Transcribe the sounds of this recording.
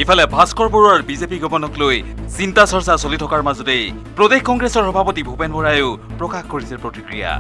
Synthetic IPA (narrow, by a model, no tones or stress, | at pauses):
ipʰalɛbʱaskɔɹpɔɹaɹbizepiɡɔpɔnɔklojsintasɔɹsasolitʰɔkaɹmazɔtej | pɹɔdexkɔŋɡɹesɔɹxɔbʱapɔtibʱupenbɔɹajʊpɹɔkaxkoɹisɛpɹotikɹija̰